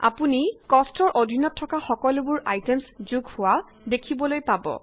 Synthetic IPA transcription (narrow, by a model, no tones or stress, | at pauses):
a̰punikɔstɔɹʔodʱinɔtʰːɔkaxɔkɔlʊbʊɹʔajtemszuɡʱhʊwa | dekʰibɔlojpabɔ̰